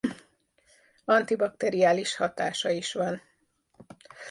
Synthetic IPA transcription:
ɒnt̪ibɒkt̪ɛɾiaːliʃhɒt̪aːʃɒiʃʋɒn

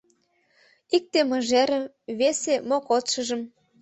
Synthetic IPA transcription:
ik̚t̪emə̆ʒæɾə̆ | βesemokot̪ʃɤ̆ʒɤ̆m

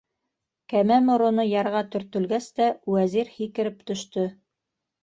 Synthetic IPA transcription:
kæmæmŏɾŏnɤjɑɾʁɑt̪ɵ̆ɾt̪ɵ̆lɡæst̪æwæziɾhikɘ̆ɾɘp̚t̪ɵ̆ʃt̪ɵ

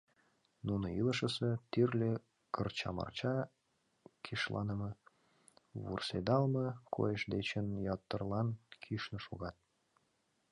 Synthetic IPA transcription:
nunəiləʃəset̪yrlʲe | kərt͡ɕɑ̰mɑ̰rt͡ɕɑ | kʰiʃlɑ̰nə̆mɤ | βṵrsed̪ɑlmɤ̆kʰo̰jəʃd̪et͡ɕənjɑt̪ːərlɑnkʰiʃnə̆ʃuɣɑt̪̚

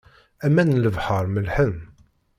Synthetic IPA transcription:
æmænləvħɑɾˤməlħən

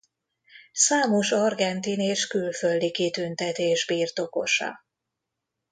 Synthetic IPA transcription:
saːmo̞ʃɒrɡɛnt̪ineːʃkylføld̪ikit̪ynt̪ɛt̪eːʒbiːrt̪o̞ko̞ʃɒ̰

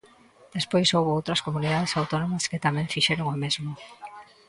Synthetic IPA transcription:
d̪̥espojsowβoowt̪ɾɐskomuniðað̞esawt̪onomɐskɪt̪amɛ̃ɱfiʃeɾʊŋomezmo

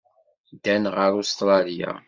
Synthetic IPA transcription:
d̪ænʁəɾust̪ɾˤɑlija̰

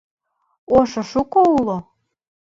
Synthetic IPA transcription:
oʃoʃukoulˠo

